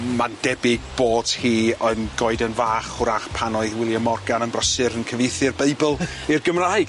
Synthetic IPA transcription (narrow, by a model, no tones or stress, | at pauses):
mand̥ɛbɪɡ̚b̥oːd̥hiːɔɨnɡɔɨdənvaːχʊɾaχpʰanɔɨðwɪlˠjəmɔrɡanənbrəsɨɾənkʰəvɪjθɨrbeɨbəlˠ | irɡəmraːj